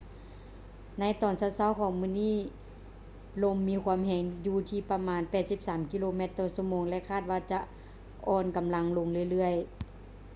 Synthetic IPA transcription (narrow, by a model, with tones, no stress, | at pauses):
na˧˥jt̪ɔː˨˩nsa˧˩˨wsa˧˥˨wkʰɔː˨˩˦ŋmɯː˧˥˨niː˥˩˨ | lo˧mːiː˧˥kʰwua˧˨mhɛː˨˩ŋjuː˧t̪ʰiː˧pa˧maː˧npɛː˨˩t̪̚si˧˥p̚saː˨˩˦mki˧loː˧me˧˦t̪ːɔː˧˩su˧˨moː˧˦ŋlɛ˧˨kʰaː˥˩t̪̚waː˧t͡ɕa˧˦ʔ | ʔɔː˧nka˨˦mla˧ŋlo˧ŋlɯ˧˩ə˨jlɯ˧˥˩əj